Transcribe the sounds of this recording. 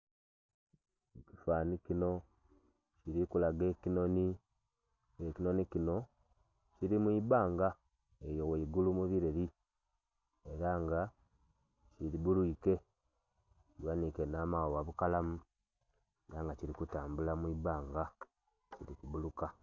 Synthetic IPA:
ekifanikino̞ | ciɾikulaɡe̞kino̞ni | ekino̞nikino̞ | ciɾimwibaːŋɡa | ejo̞weiɡulumuβiɾeɾi | eɾaŋɡa | ciɾiβuluike̞ | wanikenaːmawowaβukalamu | eɾaŋɡaciɾikutaːmbulamwiβaːŋɡa | ciɾikuβuluka

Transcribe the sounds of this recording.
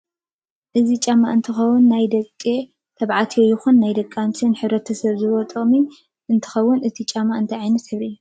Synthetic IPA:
ʔɨzit͡ʃʼamːa̰ʔɨnt̪ʰɨxɐwːʊnːajd̪ɐkʼːe | t̪ʰɐβʕat̪ʰijojɪxunːajd̪ɐkʼːant̪ʰinħɨβɾɐt̪ʰɐsɐβzɨβo̞t̪ʼɨχʼmi | ʔɨnt̪ʰɨ̥xɐwːʊnʔɨt̪ʰit͡ʃʼamaʔɨnt̪ʰɐʕajnɐt̪ħɨβiu

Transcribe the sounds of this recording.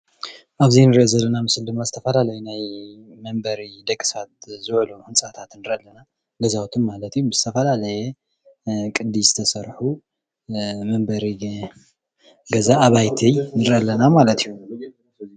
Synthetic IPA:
ʔaβzinɨɾʔozɐlːɐnamɨsɨld̪ɨmːazɨt̪ʰɐfɐlalɐjunajmɐmbɐɾid̪ɐkʼːɨ̥sat̪̚zɨβluhɨnsʼat̪ʰat̪nɨɾʔɐlːɐna | lɐzawt̪ʰɨnmalɐt̪ijuz̥ɨt̪ʰɐfɐlalɐjɛ | kʼɨd̪ːiz̥ɨt̪ʰɐsɐɾħu | mɐmbɐɾi | ɡɐzaʔːβajt̪ʰinɨɾʔɐlːɐnamalɐt̪ijːu

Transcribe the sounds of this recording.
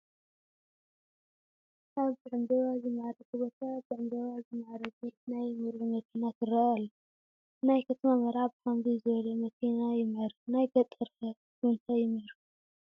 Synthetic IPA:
ʔaβzɨʕɨmd̪ɐβazɨmʕaɾɐt̪ɨbot̪ʰazɨʕɨmd̪ɐβazɨmʕaɾɐdinajmɨɾumɐkʰinat̪ɨrɐalːɐ | najkʰɐt̪ʰɐmamɐɾaβħamɡizɨβɐlɐmɐkʰinajɪmɐɾnajɡɐt̪ʼɐɾɐ | ɨnt̪ʰajɪmɐɾu

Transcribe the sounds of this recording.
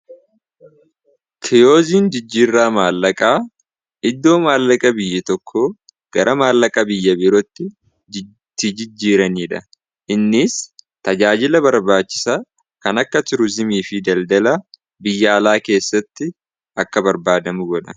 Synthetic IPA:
kʰɪjo̞ːziːnd͡ʒɪd͡ʒːiːrːaːmaːlːɐkʼaː | ɪd̪ːo̞ːmaːlːɐkʼɐbɪjːɪt̪ɔkʰːoː | ɡ̥ɐɾʔɐmaːlːɐkʼɐbɪjːɐbɪɾɔt̪ːɪ | t̪ːɪd͡ʒɪd͡ʒːiːɾɐniːᶑɐ | ʔɪnːɪst̪ɐd͡ʒaːd͡ʒɪlɐbɐɾbaːt͡ʃːɪ̥sa | kɐnɐkːɐt̪ʊɾʊzɪmiːfɪd̪ɐld̪ɐlɐ | bɪjːɐɐlaːke̞ːsːɐt̪ːɪ | ʔɐkːɐbɐɾbaːd̪ɐmʊɡɔᶑɐ

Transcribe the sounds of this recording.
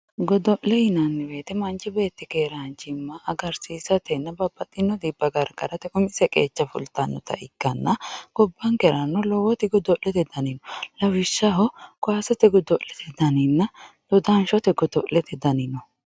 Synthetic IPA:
ɡɔd̪ɔʔlɛjɪnɐnːɪbe̞ːt̪ɛmɐnt͡ʃʼːɪbe̞ːt̪ːɪkeːɾɐnt͡ʃɪmːɐʔːɡɐɾsiːsɐt̪ɛnːɐbɐb̥ːɐt̪ʼːɪnːɔd̪ibːɐɡɐɾɡɐ̰ɾɐt̪ɛʔʊmɪsɛkʼḛːt͡ʃːɐfʊ̰lt̪ːɐnːɔt̪ɐ̰ʔɪkːɐnːɐɡ̥ɔbːɐŋkɛɾɐnːɔlɔwɔt̪ɪɡɔd̪ɔʔlɛt̪ɛd̪ɐnɪnɔlɐwɪʃːɐɦɔkʊaːsɔt̪ɛɡɔd̪ɔʔlɛt̪ɛd̪ɐnɪnːɐd̪̥ɔd̪anʃɔt̪ɛɡɔd̪ɔ̰ʔlɛt̪ɛd̪ɐnɪnɔ

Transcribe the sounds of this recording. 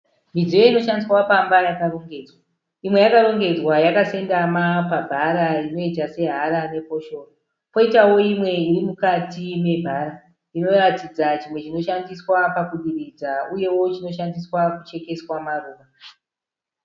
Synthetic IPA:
mid͡zijoino̞ʃandiswapambajakaro̞ŋɡe̞d͡zwa | imwe̞jakaɾo̞ŋɡe̞d͡zwajakase̞ndamapabʱaɾaino̞itase̞ɦaɾane̞po̞ʃo̞ːro | po̞itawo̞imwe̞irimukatime̞bʱaɾa | ino̞ratid͡zat͡ʃimwe̞t͡ʃino̞ʃandiswapakuɗirid͡zauje̞wo̞t͡ʃino̞ʃandiswakut͡ʃe̞ke̞swamaruːʋa

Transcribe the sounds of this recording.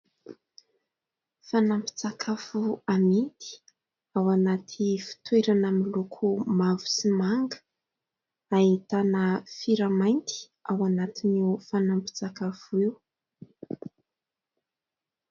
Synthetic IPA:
fanampi̥t͡sakʰafuamint̪i̥ | awanat̪ʰifi̥t̪weɾanamilukʰumavu̥simaŋɡə̥ | aɦit̪anəfiɾamajnt̪i̥ | awanat̪iniwfanampi̥t͡sakafuiw

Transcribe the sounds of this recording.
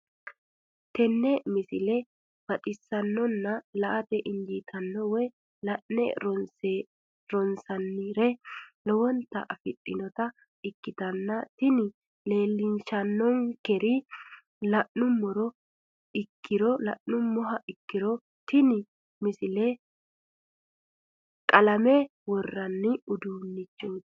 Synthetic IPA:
t̪ɛnːɛmɪsɪlɛ | bɐtʼɪsːɐnːɔnːɐlɐʔɐt̪ɛʔɪnd͡ʒiːt̪ʰɐnːɔwɔj | lɐʔnɛ̰ɾɔse | ɾɔnsɐnːiːɾɛlɔwɔnt̪ɐ̰ʔɐfɪɗʼɪnɔt̪ɐ | ɪkːɪt̪ɐnːɐt̪ɪnɪ | le̞ːlːɪnʃɐnːɔŋkɛɾi | lɐʔːʊmːɔɾɔ | ɪkʰːɪɾɔlɐ̰ʔnʊmːɔɦɐʔɪkːɪɾɔ | t̪ɪnɪ | mɪsɪleː | kʼɐlɐme | wɔrːɐnːɪʊd̪uːnːɪt͡ʃːoːt̪

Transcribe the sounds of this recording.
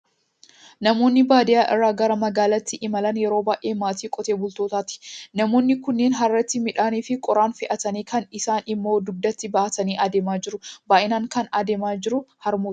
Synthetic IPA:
nɐmo̞ːnːɪbaːd̪ɪjaːʔɪ̰rːaːɡɐɾɐmɐɡaːlɐt̪ːɪʔɪmɐlɐnjɛɾo̞ːbaːʔeːmaːt̪iːkʼɔt̪e̞ːbʊlt̪o̞ːt̪aːt̪ɪ̥nɐmo̞ːnːɪkʊnːe̞ːnɦɐrːɐt̪ːɪmɪᶑaːniːfɪkʼɔɾaːnfɪʔɐt̪ɐniːkɐnɪsaːnɪmːo̞ːd̪ʊb̚d̪ɐt̪ːɪbɐːʔɐt̪ɐniːʔɐd̪e̞ːmaːd͡ʒɪɾʊbaːʔɪnaːŋkɐnɐd̪eːmaːd͡ʒɪɾʊhɐɾmo̥ː

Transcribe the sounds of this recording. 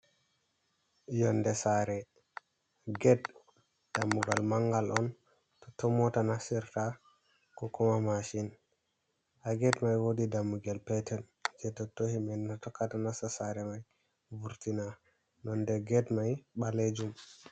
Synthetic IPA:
jɔndɛsaɾɛ | ɡɛd | d̥amːuɡalmaŋɡalʔɔn | tɔtɔmɔtanasiɾta | kɔkɔmamaʃin | haɡɛdmajwodidamːuɡalpɛtɛn | d͡ʒɛtɔtohimɛnːatɔkːatanasasaɾɛmaj | vuɾtina | nɔndɛɡɛdmajɓaled͡ʒum

